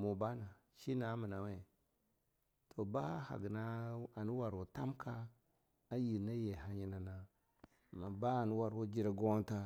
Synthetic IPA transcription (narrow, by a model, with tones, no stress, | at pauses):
mo˨ba˦na˨ | ʃi˦na˨˦mə˨na˨we˨ | tʰo˨ba˦ha̰˨ɡna˦a˨nu˦wa˨ɾwo˨ta˦mkʰa˦ | a˦ji˨ɾna˦je˨ha˨ɲi˦na˨na˨ | ma˨ba˦a˨nu˦wa˨ɾwo˦d͡ʒi˦ɾa˨ɡo˦ta˦